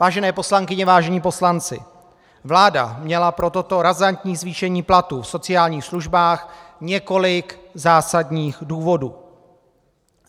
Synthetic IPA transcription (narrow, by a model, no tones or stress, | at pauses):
vaːʒɛnɛːpo̞slaŋkɪɲɛvaːʒɛɲiːpo̞slant͡sɪ̰ | vlaːda̰mɲɛlapɾo̞t̪o̞t̪o̞ɾazant̪ɲiːzviːʃɛɲiːplat̪ufso̞t͡sɪaːlɲiːxsluʒbaːxɲɛko̞lɪkzaːsadɲiːxduːvo̞dṵː